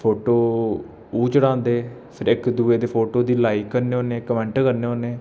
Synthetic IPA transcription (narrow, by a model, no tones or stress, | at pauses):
pʰoːʈoː | uːt͡ʃəɽãːnd̪eː | pʰɪɾɪkd̪uːeːd̪eːpʰoːʈoːd̪iːlaːiːkːəɾneːɦoːneːkəmɛ̃ːɳʈkəɾneːɦoːneː